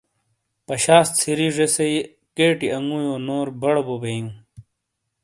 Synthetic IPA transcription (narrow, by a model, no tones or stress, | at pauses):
pɐɕaːst̪t͡sʰiɾiʐesɐi | keːʈiɐŋɡuːjoːnoːɾbɐɽbobeiŋ